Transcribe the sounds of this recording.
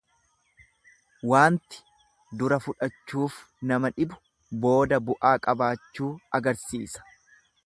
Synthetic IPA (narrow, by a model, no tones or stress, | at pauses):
waːnt̪ɪ̥ | d̪ʊɾɐfʊᶑɐt͡ʃːuːf | nɐmɐᶑɪbʊ̥ | bo̞ːd̪ɐbʊʔaːkʼɐbaːt͡ʃːuːɐɡɐɾsiːsɐ̥